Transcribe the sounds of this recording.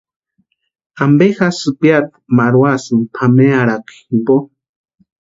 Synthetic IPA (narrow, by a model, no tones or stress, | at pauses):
ambexasɨpjat̪ | maɾwasɨmpʰameaɾaki̥mbo